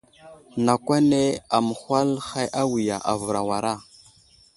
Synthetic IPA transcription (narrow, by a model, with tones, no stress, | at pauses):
na˨kʷa˦ne˦a˨mə˨xʷa˦lxa˦jʔa˦wi˨ja˨ʔa̰˨və˨ɾa̰˨wa˨ɾa˦˨